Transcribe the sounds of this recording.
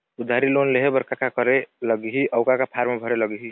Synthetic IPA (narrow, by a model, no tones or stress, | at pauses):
ud̪ʱaɾilonleɦebəɾkakakəɾeləɡɦiʔəʊkakapʰaɾmebʱəɾeləɡɦi